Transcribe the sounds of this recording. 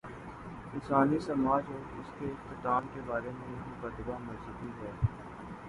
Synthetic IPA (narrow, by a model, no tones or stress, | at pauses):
ɪnsaːnisɐmaːd͡ʒoːɪskeɪxt̪ɪt̪aːmkebaːɾemẽjɐɦikɐt̪əbamɐɾsuːd̪iɦɛː